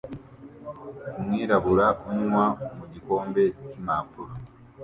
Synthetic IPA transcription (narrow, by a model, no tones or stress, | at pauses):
mwiɾaβuɾauɲŋwamuɟiko̞ːmbe̞cimaːpuɾo